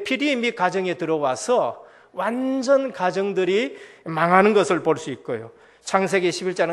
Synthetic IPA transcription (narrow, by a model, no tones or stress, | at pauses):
pʰiɾiːmikad͡ʑʌŋe̞tɯɾʌwasʰʌ | wand͡ʑʌnkad͡ʑʌŋdɯɾimaŋɦanɯnɡʌsʰɯɭpoɭs͈uit̚k͈ojo̰ | t͡ɕʰaŋs̬ʰe̞ɡe̞ɕʰibiɭt͡ɕ͈aɾ